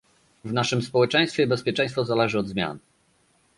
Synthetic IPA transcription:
vnaʂɘmspɔwɛt͡ʂɛj̃st̪fʲjɛibɛspʲjɛt͡ʂɛ̃j̃st̪fɔzalɛʐɘɔd̪zmʲja̰n

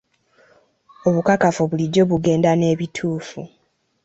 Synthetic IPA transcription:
o̞βukakafuβuliɟːo̞βuɡe̞ːndane̞ːβitʰuːfṵ

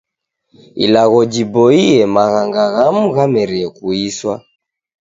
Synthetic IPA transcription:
ḭlaɣɔd͡ʒibɔiɛmaɣaŋɡaɣamuɣamɛɾiɛkuiswa̰

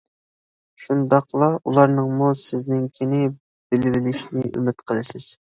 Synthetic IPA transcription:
ʃund̪ɑqlˠɑulˠɑɾnɨŋmusɪznɪŋkʲʰinɪ | b̥ɪlɪvɪlɪʃnɪʔy̰mɪt̪qʰəlˠɨsɪz̥

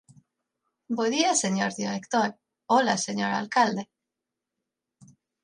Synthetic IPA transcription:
boðiaseɲoɾðiɾekt̪oɾ | olaseɲoɾa̰lkald̪e

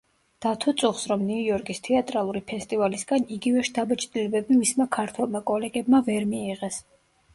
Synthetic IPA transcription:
d̪̥at̪ʰɔt̪sʼuχsɾɔmniujɔɾkʼist̪ʰɛat̪ʼɾalˠuɾipʰɛst̪ʼivalisɡaniɡivɛʃt̪ʰabat͡ʃʰʼd̪ilɛbɛbimismakʰaɾt̪ʰwɛlˠmakʼɔlɛɡɛbmavɛɾmiːʁɛs

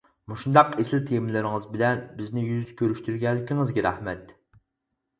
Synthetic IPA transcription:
muʃund̪ɑqesɪlt̪ʰemlɪɾɪŋɨzbɪlɛnbɪznɪjyz̥kʲʰøɾyʃt̪yɾɡʲɛlːɪkʲʰiŋɨzɡʲɛɾɛhmɛt̪

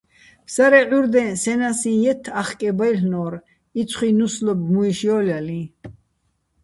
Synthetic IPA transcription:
psaɾɛʕuɾd̪ɛ̃nsɛnasĩjɛt̪ʰːaχkʼɛbajlnɔːɾ | it͡sʰχinuslɔb̚ɡmuiʃjɔːljalĩ

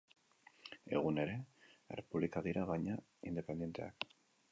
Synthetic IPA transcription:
ḛɣuneɾeḛrepuβlikaðiɾʔaβaɲa | ind̪epend̪ent̪ḛa̰k

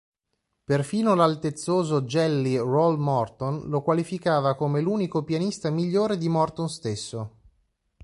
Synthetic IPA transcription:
perfiːnolalt̪et̪sːoːzod͡ʒɛlːirɔlmɔrt̪onlokwalifikaːvakomeluːnikopjanist̪amiʎːoːɾed̪imɔrt̪onst̪esːo

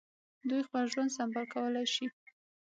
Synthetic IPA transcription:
d̪ujxpəlʒwand̪sambalkawəlajʃi

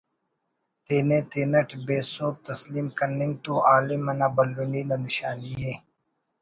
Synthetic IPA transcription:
t̪eːneːt̪eːnɐʈʰbeːsoːp̚t̪ɐsliːmkɐnɪŋɡ̚t̪uʔaːlimɐnaːbɐlːuniːnɐnɪɕaːniɦeː

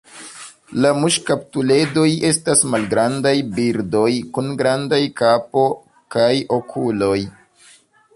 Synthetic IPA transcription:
lamuʃkap̚tule̞do̞je̞stasmalɡɾandajbiɾdo̞jkunɡɾandajkapo̞ | kajo̞kʰulo̞j

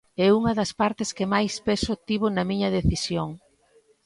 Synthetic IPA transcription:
ɛuŋɐðɐspaɾt̪ɪskɪmajspɛsʊt̪iβonɐmiɲɐðeθisjoŋ

